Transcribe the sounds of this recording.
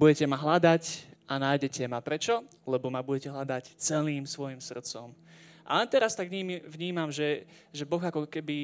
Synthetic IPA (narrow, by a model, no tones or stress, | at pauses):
buɟɛcɛmaɦlad̪acanaːjɟɛcɛmapɾɛt͡ʃɔ | lɛbɔmabuɟɛcɛɦlad̪act͡sɛliːmsʋɔjimsr̩t̪t͡sɔmʔa̰lɛnt̪ɛɾast̪aɡɲiːmiʋɲiːmamʒɛ | ʒɛbɔɣakɔkɛbi